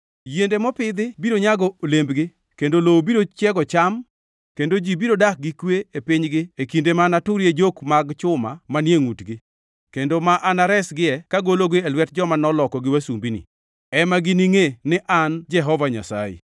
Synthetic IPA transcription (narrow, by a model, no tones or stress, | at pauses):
jendemɔpɪd̪ɪbiɾoɲaɡɔolembɡɪ | kendolobiɾot͡ʃjɛɡɔt͡ʃam | kendod͡ʒibiɾodak̚ɡɪkweepiɲɡɪekindemanatʊɾjed͡ʒokmaɡt͡ʃʊma̰manjeŋutɡɪ | kendomaʔanaɾɛsɡɪɛkaɡoloɡeelwɛt̚d͡ʒɔmanɔlɔkɔɡɪwasumbinɪ̰ | ɛmaɡɪniŋenɪʔand͡ʒɛɦɔvaɲa̰sa̰jḛ